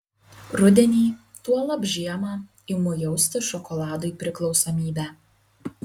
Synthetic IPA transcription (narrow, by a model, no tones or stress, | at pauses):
ɾʊd̪ʲɛnʲiː | t̪uɔlˠɐbʲʒʲiɛmɑ | ɪmʊjɛʊsʲt̪ʲɪʃɔkɔlˠɑːd̪ʊjpʲɾʲɪklˠɒʊsomʲiːbʲæː